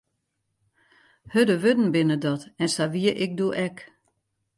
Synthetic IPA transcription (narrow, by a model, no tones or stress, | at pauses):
hødəʋødn̩bɪnədɔtɛnsaʋiəʔɪk̚duʔɛk